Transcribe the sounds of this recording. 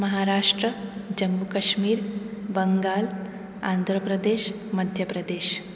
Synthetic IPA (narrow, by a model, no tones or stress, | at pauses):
məɦaɾaːʂʈɾəd͡ʒɐmːukɐʃmiːɾbəŋɡaːl | a̰nd̪ʱɾəpɾəd̪eːʃ | məd̪ʱjəpɾəd̪eːʃ